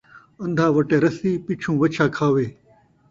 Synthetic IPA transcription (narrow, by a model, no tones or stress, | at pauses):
ɐ̃nd̪ʱaːʋɐʈeːɾɐsiːpit͡ʃʰũːʋɐt͡ʃʰaːkʰaːʋeː